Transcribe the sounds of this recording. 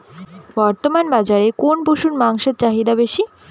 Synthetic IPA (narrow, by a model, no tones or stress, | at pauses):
bɔɾt̪omanbad͡ʑaɾekonboʃunmaŋʃeɾt͡ɕaɦid̪abeʃi